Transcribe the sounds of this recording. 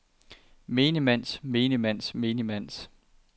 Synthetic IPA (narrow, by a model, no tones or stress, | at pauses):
me̝ːnəmæn̰sme̝ːnəmæn̰sme̝ːnimæn̰s